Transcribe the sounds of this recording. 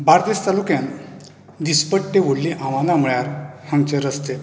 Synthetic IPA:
baɾd̪est̪alukjãn | d̪ispəʈːeʋoɽliʔãʋanam̤əɭjaɾhãŋɡt͡ɕeɾəst̪e

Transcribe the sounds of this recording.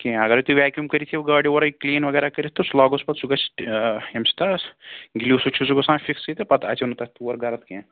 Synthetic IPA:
kĩɐɡɐɾit̪uʋɛːkjumkɐɾit̪ʰiɡɐːɖioɾɐikliːnʋɐɡɛːɾakɐɾit̪ʰt̪oslɔːɡospɐt̪suɡɐt͡ʃʈemsi̥t̪asɡilisut͡ʃʰusuɡɐsãːfʰiksit̪epɐt̪ɐ̰t͡ʃɐnut̪ɐt̪uɐɾɡʱɐɾɐt̪kẽ

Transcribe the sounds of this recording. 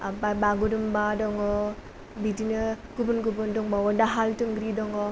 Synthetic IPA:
ababaɡudɯmbadɔŋɔ | bidinəkubunɡubundɔŋbawɔdaɦaltɯŋɡɾidɔŋɔ

